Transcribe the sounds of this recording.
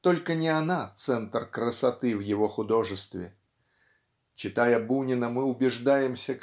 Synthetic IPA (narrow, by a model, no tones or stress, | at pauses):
t̪o̞lʲkənʲɪɐnat̪sɛnt̪rkɾəsɐt̪ɨvjɪvo̞xʊd̪o̞ʐɨst̪vʲɪ̰ | t͡ɕɪt̪ajəbunʲɪnəmɨʊbʲɪʐd̪ajɪmsʲə